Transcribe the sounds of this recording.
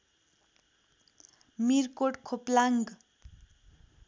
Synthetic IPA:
mirkoʈkʰoplaŋɡ

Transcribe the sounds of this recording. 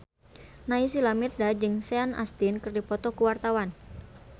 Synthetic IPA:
nais̬ilamirdad͡ʒɨŋsɛana̰st̪ɪnkɨrdipɔt̪ɔkuwart̪awan

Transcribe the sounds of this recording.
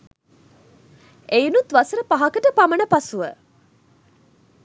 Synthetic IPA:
einut̪ʋasəɾəpaɦɐkəʈəpamənəpasuʋə

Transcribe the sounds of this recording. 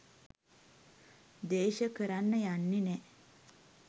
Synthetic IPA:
d̪eːʃəkəɾanːəjanːinɛ

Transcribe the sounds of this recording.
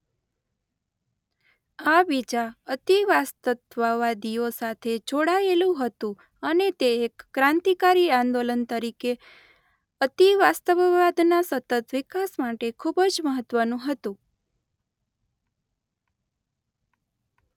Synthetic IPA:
abid͡ʒaət̪iʋast̪ət̪ʋəʋad̪iosat̪ʰed͡ʒoɽaelũɦət̪ũ | ənet̪eːkːɾãnt̪ikaɾiãnd̪olənt̪əɾike | ət̪iʋast̪əʋʋad̪nasət̪ət̪ʋikasmaʈekʰubəd͡ʒməɦət̪ʋənũɦət̪ũ

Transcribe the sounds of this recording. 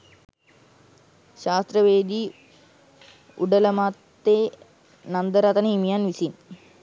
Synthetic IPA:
ʃaːst̪ɾəʋeːd̪iː | uɖələmat̪ːeː | nand̪əɾat̪ənəimijanʋisin

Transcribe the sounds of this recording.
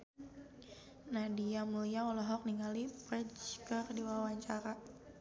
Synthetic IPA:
nadiamuliaɔlɔɦɔk̚niŋalipɾɛt͡ʃkərdiwawaɲt͡ʃaɾa

